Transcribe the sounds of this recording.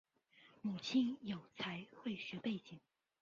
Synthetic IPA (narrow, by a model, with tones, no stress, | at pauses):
mu˨˩t͡ɕʰi˥njo˨˩ʊt͡sʰa˧˥ɪxwe˥˩ɪɕɥɛ˧˥pe˥˩ɪt͡ɕi˨˩˦ŋ